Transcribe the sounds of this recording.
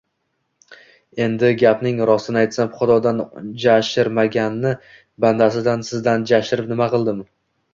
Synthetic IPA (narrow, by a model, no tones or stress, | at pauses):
e̞nd̪ɪɡʲapnɪŋɾɒsɪnɪajt̪saχʊd̪ɒd̪and͡ʒaʃɪɾmaɡʲanːɪ | band̪asɪd̪ansɪzd̪and͡ʒaʃɪɾɪpnɪmaqɨlˠd̪ɪm